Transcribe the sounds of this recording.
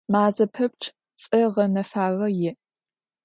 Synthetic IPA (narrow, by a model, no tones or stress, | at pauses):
maːzɐpʰɐp̚ʈ͡ʂʰʼ | t͡sʼɐʁɐnɐfaːʁɐjɪʔ